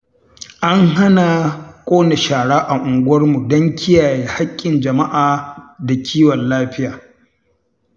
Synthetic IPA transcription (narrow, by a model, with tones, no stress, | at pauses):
ʔa˦ŋɦa˦na˨kʷʼoː˦ne˨ʃaː˨ɽaː˦ʔa˨ʔʊ˨ŋɡʷwɐ˦rmu˨dɔ˦ŋkʲɪ˦jaː˨jeː˨ha˦kʲʼːɪ˨nd͡ʒɐ˨ma˦ʔaː˨da˨kʲʰiː˦wɔ˨nlaː˦ɸɪ˦jaː˨